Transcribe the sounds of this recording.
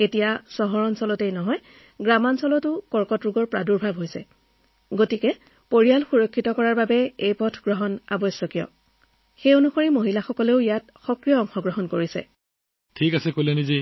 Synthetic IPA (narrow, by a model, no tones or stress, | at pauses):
etijasɔɦɔɹɔnsɔlɔtejnɔɦɔj | ɡɹamansɔlɔtʊkɔɹkɔtɹuɡɔɹpɹaduɹbʱabʱɦojsɛ | ɡotikɛ | poɹialxuɹɔkʰːitɔkɔɹaɹbabɛejpɔtʰɡɹɔɦɔna̰bɔjsɔkijɔ̰ | xejonuxoɹimoɦilaxɔkɔleʊijat | xɔkɹijɔːŋxɔɡɹɔɦɔnkoɹisɛ̰ | tʰikasɛkolɛnizi